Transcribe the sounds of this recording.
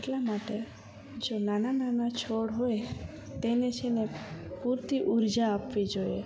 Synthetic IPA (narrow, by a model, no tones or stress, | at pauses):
eʈlamaʈe | d͡ʒonanananat͡ʃʰoɽɦoe | t̪enet͡ʃʰenepuɾt̪iʔuɾd͡ʒaːpʋid͡ʒoe